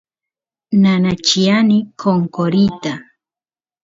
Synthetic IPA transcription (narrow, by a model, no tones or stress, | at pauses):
nanat͡ʃianikʰoŋkoɾit̪a